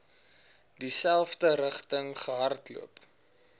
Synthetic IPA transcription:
disælˠfdəɾəχtəŋχəɦɐrtlṵəp

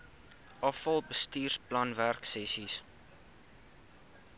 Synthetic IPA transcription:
ʔɑfɐlˠbəstiːrsplɐnværksɛsis

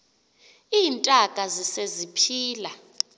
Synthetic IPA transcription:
iːntʼakʼazisezipʰiːla

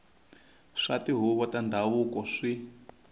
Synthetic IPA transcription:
ʂatiɦuβɔtandʱaβukɔʂi

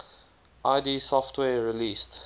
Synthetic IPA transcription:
ʔaɪdiːsɔftʰwɛɹiliːst

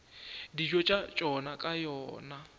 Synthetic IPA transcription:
did͡ʒɔt͡ʃʼat͡ʃʼɔnakʼajɔːna

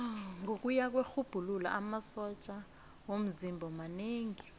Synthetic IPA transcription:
ŋʱok̬ʼujak̬wexub̥ʱulula̰ʔamasɔt͡ʃʼa | wom̩zimbʱɔmaneːŋi

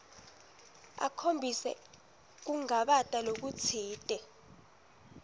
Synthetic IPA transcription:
a̰kʰombʱisɛ̰ | k̬uŋaɓatʼalok̬ut͡sʰiːtʼɛ

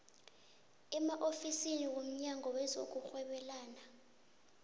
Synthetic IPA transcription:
ɛmaʔofisiniwom̩ɲaŋʱɔwɛzok̬uxwɛɓɛlaːna

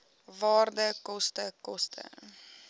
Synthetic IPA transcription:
vɑːrdəkɔstəkɔstʰə̰

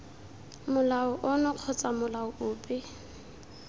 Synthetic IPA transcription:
mʊlaʊʔʊnɔq͡χʰɔt͡sʼamʊlaʊʊːpʼɪ

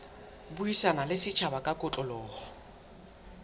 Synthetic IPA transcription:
buisanalɪsɪt͡ʃʰabakʼakʼʊt͡ɬʼɔlɔːhɔ

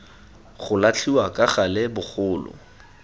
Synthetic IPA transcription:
χʊlat͡ɬʰiwakʼaχalɪbʊχʊːlʊ̰

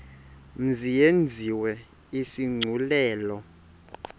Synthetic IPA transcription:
m̩zijend͡zʱiwɛ | isiŋ͡ǀʱulɛːlɔ

